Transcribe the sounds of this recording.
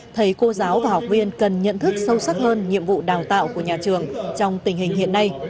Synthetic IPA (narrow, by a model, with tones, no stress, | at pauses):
t̪ʰə˨˦jko˧zaː˨˦wvaː˨˩hɔ˨˩k͡p̚vi˧ənkə˨˩nɲə̰˧˨nt̪ʰɨ˦˥k̚sə˧wsa˦˥t̚həː˧nɲḭ˧˨əmvṵ˧˨ɗaː˨˩wt̪a̰ː˧˨wku˧˩əɲaː˨˩t͡ɕɨ˨˩əŋt͡ɕɔ˧wŋ͡mt̪ï˨˩ŋ̟hï˨˩ŋ̟hḭ˧˨ənːa˧j